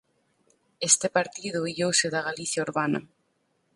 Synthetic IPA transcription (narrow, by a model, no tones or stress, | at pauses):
est̪epaɾt̪iðʊiʎowseðaɣaliθjauɾβana̰